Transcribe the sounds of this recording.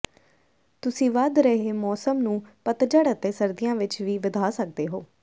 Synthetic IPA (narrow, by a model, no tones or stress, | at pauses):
t̪ʊsĩːʋəd̪ɾəɦeːmɔːsəmnũːpət̪d͡ʒəɽət̪eːsəɾd̪ijãːʋɪt͡ʃʋiːʋɪd̪ʱaːsək̚d̪eːɦoː